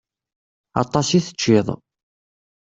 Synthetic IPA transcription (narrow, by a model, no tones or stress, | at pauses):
ɑ̰t̪ˤːɑsiθə̥t͡ʃːɪðˤ